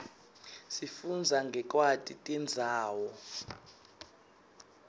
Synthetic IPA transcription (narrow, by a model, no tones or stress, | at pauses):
sifund͡zʱaŋɡʱɛk̬ʼwatʼitʼɛnd͡zʱaːwɔ